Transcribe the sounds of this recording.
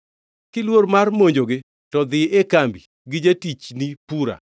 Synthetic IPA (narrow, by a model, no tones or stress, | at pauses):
kɪlwormarmoɲd͡ʒoɡɪ | tɔd̪ɪʔekambi | ɡɪd͡ʒetit͡ʃnipuɾa̰